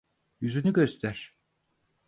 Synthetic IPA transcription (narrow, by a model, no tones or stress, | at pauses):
jyzynyɟø̞st̪ʰæɾ̥